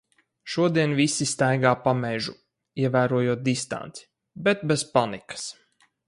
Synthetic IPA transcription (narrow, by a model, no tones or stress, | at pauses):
ʃuɔd̪iɛnvisist̪ajɡaːpamɛʒu | iɛvæːɾuɔjuɔt̪̚d̪ist̪a̰nt̪si̥ | bɛt̪bɛz̥panikḁs